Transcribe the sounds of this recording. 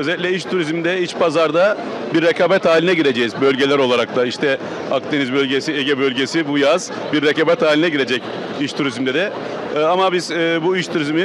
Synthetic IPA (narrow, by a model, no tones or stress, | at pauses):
øzeɛlʲic̬ʲlʲɛiʃt̪ʰuɾizmd̪ɛit͡ʃbazaɾd̪a | biɾːekaːbɛt̪haːlʲinɛɟiɾed͡ʒejizbø̞lʲɟe̞lʲæɾo̞lˠaɾak̚t̪ʰaiʃt̪ʰɛ | ak̚t̪e̞nizbølʲɟesieɟɛbø̞lʲɟe̞sibujaz̥ | biɾːekabɛt̪haːlʲinɛɟiɾe̞d͡ʒɛc | iʃt̪ʰuɾizmd̪ɛd̪ɛ | amabizːbuiʃt̪ʰuɾizmi